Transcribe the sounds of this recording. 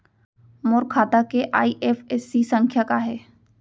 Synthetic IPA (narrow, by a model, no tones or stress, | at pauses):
mʊːɾkʰaːt̪akeʔa̰ːiʔeːfɛːsːisə̃ŋkʰjakaɦɛː